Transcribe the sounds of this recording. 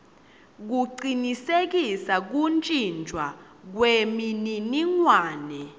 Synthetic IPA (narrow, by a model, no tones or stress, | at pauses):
k̬uǀinisek̬isak̬unt͡ʃʼind͡ʒʱwa | k̬wemininiŋwaːnɛ